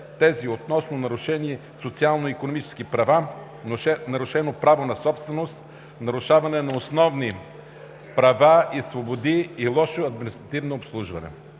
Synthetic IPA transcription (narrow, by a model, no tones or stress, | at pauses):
t̪ɛziot̪nɔsnonɐɾʊʃɛniɛ | sot̪sialˠnoikonomit͡ʃɛ̥skipɾɐva | ɛnɐɾʊʃɛnopɾavonɐsɔpst̪vɛnost̪ | nɐɾʊʃavɐnɛnɐosnɔvni | pɾɐvaisvobod̪iːlˠɔʃoɐd̪minist̪ɾɐt̪ivnoːpslˠuʒvɐ̰nɛ̰